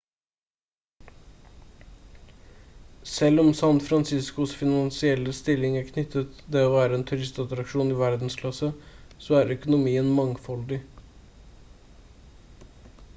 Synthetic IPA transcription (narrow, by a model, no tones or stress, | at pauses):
sɛlɔmsɑnfɾɑnsɪskʊsfɪnɑnsɪɛlːəst̪ɪlːɪŋæːɾkʰnʏt̪ʰːət̪d̪ɛːoːʋæːɾəɛːnt̪ʰʉɾɪst̪ɑt̪ɾɑkʂuːnɪʋæɾd̪n̩skʰlɑsəsoːæːɾœkʊnʊmiːənmɑŋfɔld̪ɪ